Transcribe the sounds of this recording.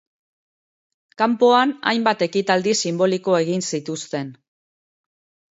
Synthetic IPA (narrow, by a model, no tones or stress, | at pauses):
kampo̞ana̰jmbat̪e̞kit̪ald̪isimbo̞liko̞e̞ɣinsit̪ust̪e̞n